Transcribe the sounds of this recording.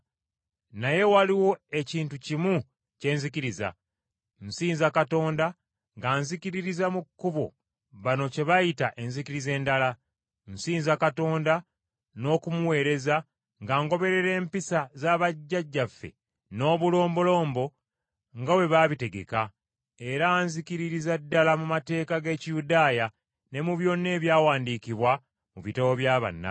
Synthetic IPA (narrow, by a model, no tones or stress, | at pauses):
naje̞waliwo̞e̞ciːntucimu | ce̞ːnzikiɾiza̰ | nsiːnzakato̞ːnda | ŋɡaːnzikiɾiɾizamukːuβo̞̰ | βano̞ce̞βajitaʔe̞nzikiɾize̞ːndala | n̩siːnzakato̞ːnda | no̞ːkumuwe̞ːɾe̞za | ŋɡaːŋɡo̞βe̞ɾe̞ɾe̞ːmpisazaːβaɟːaɟːafːe̞̰ | no̞ːβulo̞ːmbolo̞ːmbo̞ | ŋɡawe̞βaβite̞ɡe̞̰ka | e̞ɾaːnzikiɾiɾizadːalamumate̞ːkaɡe̞ːcijudaːja | ne̞muβjo̞nːe̞ːβjaːwaːndikiβwa | muβitawoβjaːβa̰nːa̰